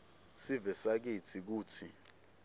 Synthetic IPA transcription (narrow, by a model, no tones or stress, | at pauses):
sivɛsak̬it͡sʰik̬uːt͡sʰi